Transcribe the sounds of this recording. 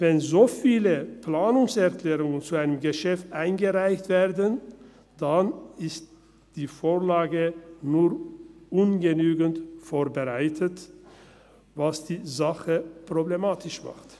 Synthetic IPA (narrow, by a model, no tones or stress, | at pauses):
vɛnzoːfiːləplaːnʊŋsɛʁklɛːʁʊŋənt͡suaɪnəmɡəʃɛftʔaɪnɡəʁaɪçtv̥eːʁdən | d̥anɪst | d̥iːfoːʁlaːɡənuːʁʔʊnɡənyːɡəntfoːɐbəʁaɪtʰət | vasd̥iːzaχəpʁ̥oblemaːtʰɪʃma̰χt